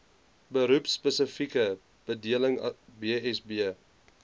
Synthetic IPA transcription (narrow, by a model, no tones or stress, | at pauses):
bəɾupspəsəfikə | b̥ədiələŋbiɛsbiə